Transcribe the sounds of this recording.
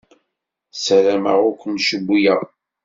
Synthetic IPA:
səɾæməʁʊkʷənʃəbʷːijæʁ

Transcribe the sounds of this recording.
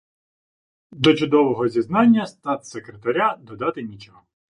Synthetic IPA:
d̪ɔt͡ʃʊd̪ɔʋɔɦɔzʲiznɑnʲːɐst̪ɑt̪sekɾet̪ɐɾʲad̪ɔd̪ɑt̪ɪnʲit͡ʃɔɦɔ

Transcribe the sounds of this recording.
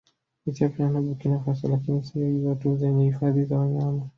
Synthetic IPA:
itapinanaɓukinafas̬a̰lakinisiaizatuzɛɲɛhifaðizawaɲama

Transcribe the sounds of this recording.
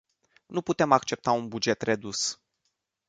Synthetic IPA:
nuput̪e̞mak̚t͡ʃe̞p̚t̪aunbud͡ʒe̞t̪re̞d̪us

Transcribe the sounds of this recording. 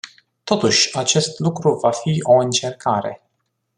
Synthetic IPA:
t̪o̞t̪uʃʲat͡ʃe̞st̪lukɾuvafio̞ɨnt͡ʃe̞rkʰaɾe̞̰

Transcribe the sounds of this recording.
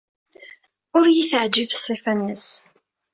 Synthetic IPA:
ʊɾjiθəʕd͡ʒivsˤːifænːəs

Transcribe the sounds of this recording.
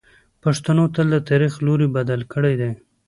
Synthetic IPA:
paʂt̪anot̪əld̪ət̪aɾixloɾibad̪alkəɽajd̪a

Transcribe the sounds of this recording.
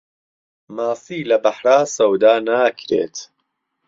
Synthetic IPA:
maːsiːlɐbɐħɾaːsɐwd̪aːnaːkʰɾḛːt̪

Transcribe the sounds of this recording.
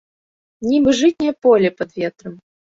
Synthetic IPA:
nʲibɨʐɨtʲnʲɛɐpɔlʲɛpɐd̪vʲɛt̪ɾɐm

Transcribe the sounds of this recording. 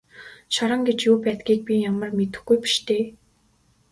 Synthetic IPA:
ʃɔɾə̆ŋɡet͡ɕjuːpæːt̪ɡʲiːk̚pʲijamə̆rmet̪ɘ̆xɡujpi̥ʃt̪ʰeː

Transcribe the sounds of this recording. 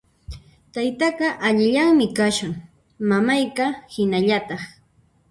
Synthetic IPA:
t̪ajt̪ɑqɑʔaʎɪʎaŋmɪkaʃʊŋ | mamajkɑhɪnaʎat̪ɑχ

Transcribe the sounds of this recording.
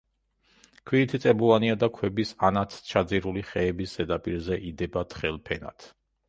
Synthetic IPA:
kʰwiːt̪ʰit̪sʼɛbulaniad̪akʰwɛbisanat̪ʰt͡ʃʰad̪ziɾuliχɛːbisz̥ɛd̪apʼiɾzɛʔid̪ɛbat̪ʰχɛlˠpʰɛna̰t̪ʰ

